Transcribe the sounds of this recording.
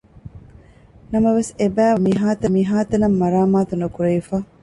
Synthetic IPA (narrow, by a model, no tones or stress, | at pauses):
nɐmɐʋesebæːmiɦaːt̪ɐmiɦaːt̪ɐnɐmːɐɾaːmaːt̪unukuɾejifaː